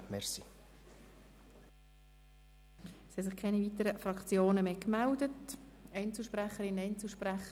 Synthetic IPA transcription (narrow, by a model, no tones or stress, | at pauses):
mɛɾsi | shɛsɪχkʰɛnivit̪əɾəfɾɑkt͡sjoːnəmeːkmældətɛɪnt͡sl̩ʃpɾæχəɾɪnːɛɪnt͡sl̩ˠʃpræχə